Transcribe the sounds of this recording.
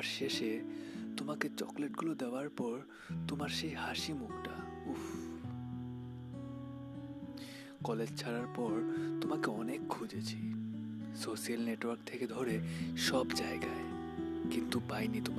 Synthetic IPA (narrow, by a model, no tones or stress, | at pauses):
aɾʃeʃet̪omaket͡ɕɔ̰kleʈɡulod̪eoaɾpɔɾ | t̪omaɾʃejhaʃimukʈa | uf | kɔled͡ʑt͡ɕʰaɾaɾpɔɾt̪omakeɔnekʰːud͡ʑet͡ɕʰi | soʃialneʈwaɾkt̪ʰeked̪ʱɔɾeʃɔbd͡ʑaeɡae | kint̪upajnit̪o